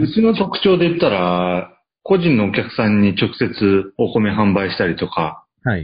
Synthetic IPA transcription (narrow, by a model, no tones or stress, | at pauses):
ɸɯ̟t͡ɕɨːno̞t̪o̞kɯ̟̥t͡ɕo̞ːd̪e̞it̪ːaɾa | ko̞ʑĩnːo̞ːkʲakɯ̟̥sãɲ̟ːit͡ɕo̞kɯ̟̥se̞t͡sɨo̞ko̞meɦãmbaiɕi̥t̪aɾʲit̪o̞ka | a